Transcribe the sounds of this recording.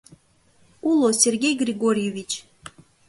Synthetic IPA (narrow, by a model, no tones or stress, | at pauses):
ulˠosʲerɣʲejɡrʲiɣoɾʲjevʲit͡ɕ